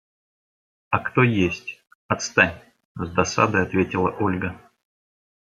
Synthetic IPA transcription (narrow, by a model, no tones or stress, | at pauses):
ɐkt̪o̞jesʲtʲ | ɐt̪st̪anʲ | zd̪ɐsa̰d̪əjɐt̪vʲetʲɪlˠəʔolʲɡə